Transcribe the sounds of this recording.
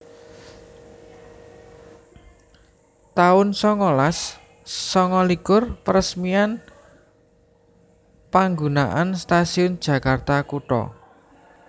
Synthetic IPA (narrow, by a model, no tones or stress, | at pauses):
t̪aʊnsɔŋɔlasː | ɔŋɔlikʊrpəɾəsmian | paŋɡunaʔanst̪asiʊnd̥ʒ̥ä̤kart̪akuʈɔ̰